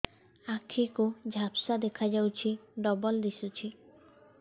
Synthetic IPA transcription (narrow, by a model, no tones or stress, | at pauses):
akʰikud͡ʒʱapsad̪ekʰad͡ʒawt͡ʃʰiɖɔbɔld̪isut͡ʃʰi